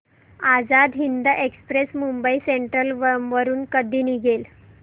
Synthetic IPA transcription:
ad͡zad̪ɦind̪əʔekspɾesmumbəiseɳʈɾəlʋʋəɾuːnkəd̪ʱiːniɡel

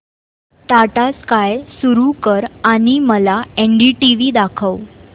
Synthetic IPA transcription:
t̪aʈaskajsuɾukəɾaɽ̃iməlaeɳɖiʈiʋiːd̪akʰəw

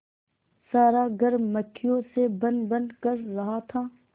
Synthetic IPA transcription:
saːɾaɡʱɐɾmɐkʰːijõsebɐ̃nd̪bɐ̃nd̪kɐɾːɐɦat̪ʰaː

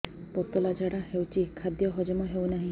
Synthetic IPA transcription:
pɔt̪ɔlad͡ʒaɽahewt͡ʃʰikʰad̪jɔɦɔd͡ʒɔmɔɦewnaɦĩ

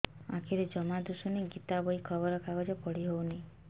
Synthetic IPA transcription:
ã̰kʰiɾed͡ʒɔmad̪usuneɡit̪abɔikʰɔbɔɾɔkaɡɔd͡ʒɔpɔɽiɦowne

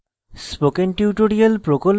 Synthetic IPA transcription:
spokenʈiuʈoɾialpɾokol

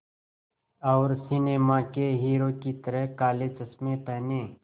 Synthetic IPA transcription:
ɔːɾsɪneːmakeɦiːɾoːkit̪əɾəɦkaːleːd͡ʒəsmẽpɛɦnẽː

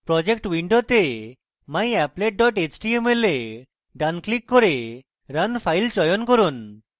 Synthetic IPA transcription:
pɾɔd͡ʑekʈwiɳɖot̪e | majɛpleʈ̚ɖɔʈet͡ʃʈiemele | ɖanklikːɔɾe | ɾənpʰajlt͡ʃɔjɔnkɔɾun

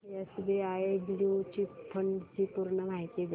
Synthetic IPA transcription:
jasud̪ʱeaebliut͡ɕipfʰəɳɖt͡ɕipuɾɳəm̤aɦjt̪iɡʱe

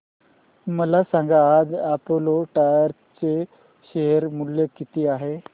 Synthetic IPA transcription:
məlasãŋɡaːd͡zapoloʈajəɾ | t͡se | ɕeɦəɾmulːekit̪iːaɦe

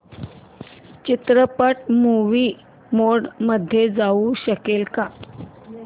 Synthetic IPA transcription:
t͡ɕit̪ɾəpaʈmuʋiː | moɽməd̪ʱːjed͡zauɕəkelka

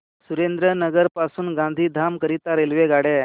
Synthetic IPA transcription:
suɾend̪ɾənəɡəɾpasuːnɡãnd̪ʱiːd̪ʱamkəɾit̪aɾelʋeɡaɽe

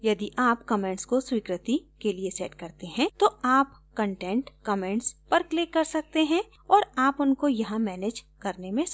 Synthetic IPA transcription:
jɐd̪iʔaːpkɐmɛ̃ːɳʈskoswiːkɾɪt̪ikeliesɛːʈkɐɾt̪eɦɛ̃t̪oaːpkɐ̃ɳʈɛ̃ɳʈkɐmɛ̃ɳʈspɐɾkleːkːɐɾsɐk̚t̪eɦɛ̃ | ɔːɾaːpʊnkojɐɦãmɛːneːd͡ʒkɐɾnemẽ

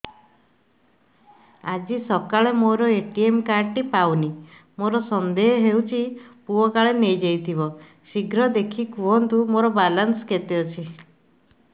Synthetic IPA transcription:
ad͡ʒisɔkaɭemoɾɔeʈiemkaɾʈipawni | moɾɔsɔnd̪eɦɔɦewt͡ʃʰipuɔkaɭenejd͡ʒejt̪ʰibɔ | siɡʱɾɔd̪ekʰikuɔnt̪umoɾɔbalansɔket̪eɔt͡ʃʰi

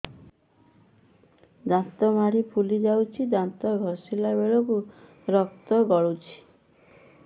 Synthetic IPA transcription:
d̪ant̪ɔmaɽipʰulid͡ʒawt͡ʃʰid̪ant̪ɔɡʱɔɾsilabeɭɔku | ɾɔkt̪ɔɡɔɭut͡ʃʰi̥

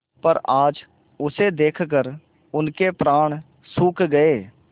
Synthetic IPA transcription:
pəɾaːd͡ʒ | ʊsed̪eːkʰkəɾ | ʊnkepɾaːɽ̃ | suːkʰɡəeː

